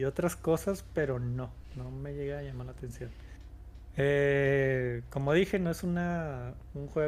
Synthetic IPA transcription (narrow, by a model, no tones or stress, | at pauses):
o̞t̪ɾasko̞saspe̞ɾo̞no | no̞me̞ʝe̞ɣaːʝamaɾlat̪e̞nsjo̞n | e | ko̞mo̞ðixe̞noesuna | uŋxwe